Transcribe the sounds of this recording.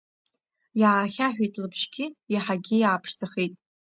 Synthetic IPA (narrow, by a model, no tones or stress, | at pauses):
jaːrχʲaħᶣejtʼlɨpʰʃɡʲɪjaħaɡʲɪjaːpʰʂd͡zaχejtʼ